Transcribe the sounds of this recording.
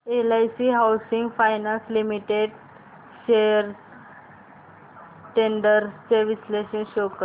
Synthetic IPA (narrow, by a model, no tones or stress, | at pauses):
elajsiɦawsiŋɡfajnãslimiʈeɖ | ɕeɾ | ʈeɳɖəɾt͡seʋisleɕənɕokə